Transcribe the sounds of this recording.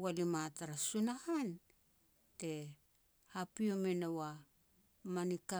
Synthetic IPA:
walimataɾasunahan | te̞ | hapiome̞nowa | manika

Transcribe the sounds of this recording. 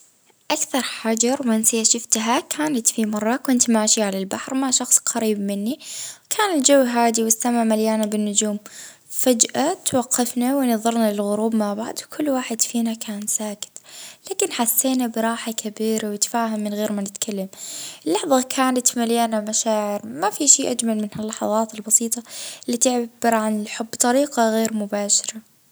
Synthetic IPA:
ʔakθɑɾˤħad͡ʒɑɾwʔansɪaʃɪft̪ɦakʰaːnat̪fimɑrˤːɑkɪnt̪maːʃiʕalalbaħɾmaʕʃɑxsˤqɑɾiːbmɪnːikʰaːnɪld͡ʒawːɦaːd̪iwɪsːamːamaljaːnabɪnːʊd͡ʒuːm | fad͡ʒʔat̪wɑqːɑfnawɪnɨðˤɑɾˤnalɪlɣʊɾuːbmaʕbaʕd̪wkʰʊlːwaːħɪd̪fiːnakʰaːnsaːkɪ̥t̪laːkɪnħasːeːnabɪɾˤɑːħakʰabiːɾawɪt̪ḁfaːɦamːɪnɣeːɾmanɪt̪kʰalːamɪlːɑħðˤɑkʰaːnat̪maljaːnamaʃaːʕɪɾmafiʃiːʔad͡ʒmalmɪnhalːɑħɑðˤɑːt̪ɪlbɑsiːt̪ˤɑɪlːiːt̪ɪʕbɪɾʕanɪlħʊbːt̪ˤɑɾiːqɑɣeːɾmʊbaːʃɪɾˤɑ

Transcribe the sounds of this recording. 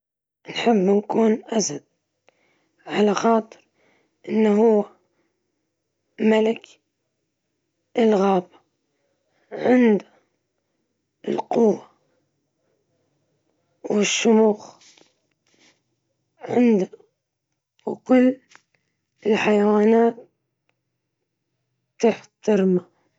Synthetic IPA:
nħɪbːnkuːnʔasad̪̚ | ʕalaxɑːt̪ˤɨ̥ɾ | ʔɪnːaɦʊwːa | malɪk | ʔɪlɣaːba | ʕɪnd̪a | ɪ̰lqʊwːa | wɪʃːʊmuːx | ʕɪ̰nd̪a | wkʊlː | ɪlħajawaːnaːt̪ | t̪ɪħt̪aɾma

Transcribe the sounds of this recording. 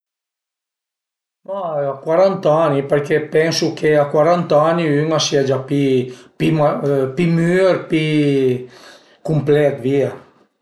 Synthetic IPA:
maakwaɾant̪anipɛɾkɛpɛnsukʰeakwaɾant̪aniyŋasiad͡ʒapipiapimyɾpi | kumplɛt̪via

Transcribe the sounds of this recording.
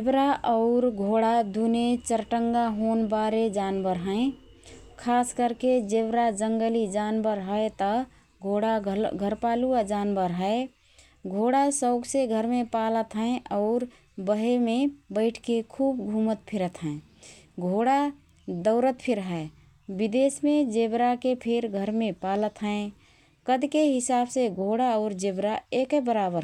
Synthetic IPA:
d͡ʒebɾaʔɔʊɾɡʱoɽad̪unet͡ʃəɾʈəŋɡaɦonbaɾed͡ʒanbəɾɦə̃ẽ | kʰaskəɾked͡ʒebɾad͡ʒəŋɡəlid͡ʒanbəɾɦəjt̪ə | ɡʱoɽaɡʱəɾpaluad͡ʒanbəɾɦəe | ɡʱoɽasəʊɡseɡʱəɾmepalət̪ɦə̃ẽʔɔʊɾ | bəɦemebəɪʈʰkekʰuːbɡʱumət̪̚pʰiɾət̪ɦɛ̃e | ɡʱoɽa | d̪əʊɾət̪pʰɪɾɦəe | bid̪esmẽd͡ʒebɾakepʰeɾɡʱəɾmẽpalət̪ɦə̃ẽ | kəd̪keɦɪsabseɡʱoɽaɔʊɾd͡ʒebɾaekbəɾabəɾ

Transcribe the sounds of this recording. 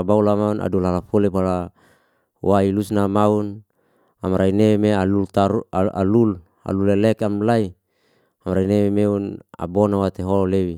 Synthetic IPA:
baulamauna̰dulalafolepala | wailusnamaun | amaɾʔainemealult̪aɾua̰lul | a̰lulelɛkamlai | amɾainememeuna̰bonawat̪eɦololewi

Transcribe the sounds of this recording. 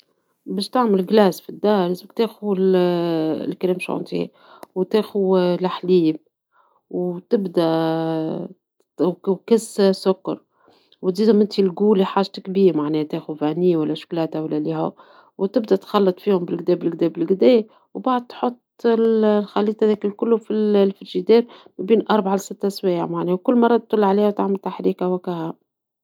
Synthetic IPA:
bɛːʃt̪aʕmɪlɡlæːsfid̪ːɑːɾɪzbɪk̚t̪eːxul̰ | lkæleːmʃʕʊ̰nt̪ḭh | wt̪eːxulʔaħliːb | wt̪ɪbd̪æ | kæssʊkːɑ̰ɾˤ | wt̪ziːd̪ʊmɪnt̪ʰilɡuːliħaːʒt̪kbiːɾmaʕnɛːht̪eːxufæniːwælːæʃʊ̥klæːt̪æwalːælihʊ | wt̪ɪb̚d̪æt̪xɑlːɑt̪ˤfiːhʊmbɪlɡd̪ɛːbɪlɡd̪ɛːbɪlɡd̪ɛː | wbaʕəd̪̚t̪ħot̪ˤːɪlxalːiːt̪hæd̪ækɪlkʊlːʊfillfɪɾʒid̪ɛːɾmæbiːnʔɑɾˤbʕalsɪt̪ːʔæswɛ̰ːʕmaʕnɛːwkʊlːmɑrˤːɑt̪t̪ːˤʊlːʕaliːhwt̪aʕmɪlt̪aħɾiːkawækæhæ

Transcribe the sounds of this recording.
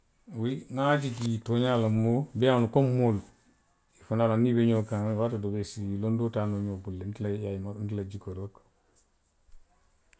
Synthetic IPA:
wiŋad͡ʒiɡitoɲalamːobianukommol | ifunalanibeɲokaŋwatadobesilondotanoɲobulːentilajajmantilad͡ʒikoɾok

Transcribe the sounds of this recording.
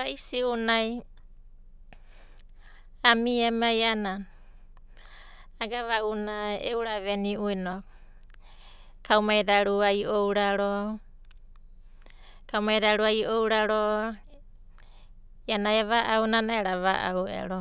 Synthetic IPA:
aisiunaj | amiemajanan | aɡaβaunaḛwɾaβeniujno | kawmajdaɾuajowɾaɾo | kawmajɾaɾuaiowɾaɾo | janaeβaʔawnanaeɾaβaʔa̰wḛɾo

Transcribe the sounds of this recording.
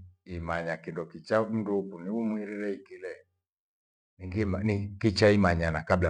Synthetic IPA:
imaɲakindɔkit͡ʃam̩ndukuniumwiɾiɾɛikilɛ | niɡinikit͡ʃaimaɲanakabla

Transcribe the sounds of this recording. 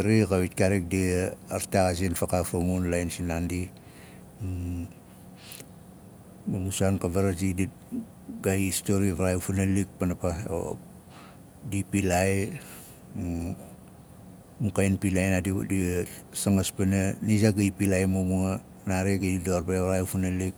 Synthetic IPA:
aɾikaβitkaɾik̚diaɾtakas̬infakafamunlajnsinandi | mamusankaβaɾad͡ʒidi | ɡaiːstoɾiβaɾajfunalik̚panapao̰ | dipilaj | mukajnpilajnadidisaŋaspananizaɡaipilajmumua | naɾeɡadidoɾbeaɾajfunalik̚

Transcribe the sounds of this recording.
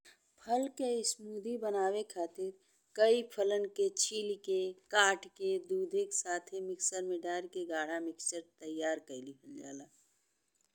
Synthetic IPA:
pʰəlkeɪsmuːd̪ibənaːwekʰaːt̪ɪɾ | kəipʰələnket͡ʃʰiːlikekaːʈked̪uːd̪ʱeksaːt̪ʰemɪksəɾmeɖaːɾkeɡaːɽ̤amɪkt͡ʃəɾt̪əjːaːɾkəlikʰəld͡ʒa̰ːlaː

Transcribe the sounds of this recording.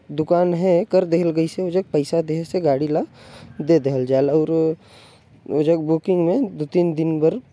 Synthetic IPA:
d̪ʊkaːnɦɛkəɾd̪eɦlɡəiseod͡ʒək̚pəɪsad̪eɦseɡaːɽilad̪ed̪eɦəld͡ʒaːlɔːɾ | od͡ʒəɡ̚bukɪ̃ŋɡmẽd̪ot̪iːnd̪ɪnbɐɾ

